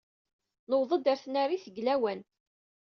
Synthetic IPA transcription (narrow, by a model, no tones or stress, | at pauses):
nəwðˤəd̪æɾθnæriθəɡlæwæn